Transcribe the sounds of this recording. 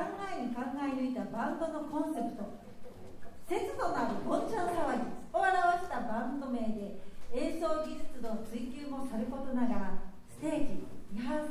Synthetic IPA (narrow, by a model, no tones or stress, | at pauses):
kãŋɡaeɲʲikãŋɡaiɲʲɯit̪abãnd̪o̞no̞kõ̞ɰ̃se̞pɯ̟̥t̪o̞ | se̞t͡sɨd̪o̞naɾɯ̟mõt͡ɕankaβaioaɾaβaɕi̥t̪abãnd̪ome̞ːd̪e̞ẽɰso̞ːɡʲiʑɨt͡sɨno̞t͡sɨikʲɨːmo̞saɾɯ̟ko̞t̪o̞naɡa | ste̞ːkʲiɲiɦã